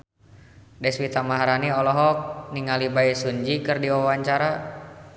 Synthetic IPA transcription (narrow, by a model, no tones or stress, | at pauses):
dɛswit̪amaɦaɾaniɔlɔɦɔk̚niŋalibaisuɲd͡ʒikɨrdiawaɲt͡ʃaɾa